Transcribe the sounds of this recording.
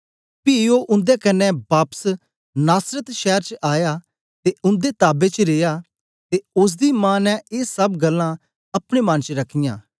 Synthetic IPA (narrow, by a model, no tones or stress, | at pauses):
piːoːʔʊ̃nd̪ekɐnːɛ̃baːpə̥s | naːsɾət̪ʃɛːɾt͡ʃʔaːjaː | t̪eʊ̃nd̪eːt̪aːbet͡ʃɾeːjaː | t̪eʊs̬d̪iːmãːnɛ̃ʔeːsɐbɡɐlːã | ɐpɽ̃emɐ̃nt͡ʃəɾɐkʰɪjã̰ː